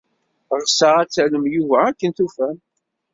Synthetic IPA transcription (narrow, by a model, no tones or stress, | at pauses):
ʁˤsəʁæt͡sːæləmjuvæækːənt̪ufæm